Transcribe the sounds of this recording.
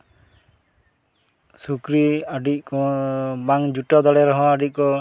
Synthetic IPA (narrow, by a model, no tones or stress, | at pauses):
sukɾiaɖic̚kɔbaŋd͡ʒuʈɔd̪ɔɽɛɾɔɦɔ̃aɖic̚ˀkɔ